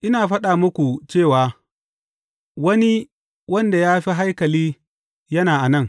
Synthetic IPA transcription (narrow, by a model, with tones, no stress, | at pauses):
ʔɪ˦naː˨ɸɐ˦ɗaː˨mʊ˦kʷu˨t͡ʃeː˦˨waː˨ | wɐ˦ni˦ | wɐ˦nda˨jaː˦ɸi˦ɦa˦jkɐ˨liː˦ | jɐ˦naː˨ʔa˨nɐ˦˨ŋ